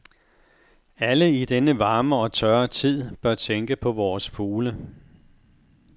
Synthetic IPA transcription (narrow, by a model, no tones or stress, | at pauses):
æləid̥enəʋɑ̈ːməɒ̽t͡sʰɶɐt͡sʰið̞̰ˠb̥ɶɐt͡sʰeŋɡ̥əpʰɒ̽ʋɒːsfuːlə